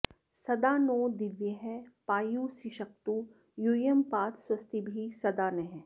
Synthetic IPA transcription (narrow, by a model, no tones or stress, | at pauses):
sɐd̪aːnoːd̪ɪʋjəɦɛpaːjusiʃɐk̚t̪u | jujəmpaːt̪ʰswɐst̪ʰibʱisɐd̪aːnɛɦɛ̃